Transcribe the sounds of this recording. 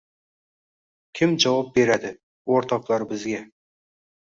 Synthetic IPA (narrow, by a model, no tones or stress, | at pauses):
kʲʰɪmd͡ʒɑwɑp̚be̞ɾad̪ɪ | woɾt̪ʰɑqlˠɑɾbɪzɡʲe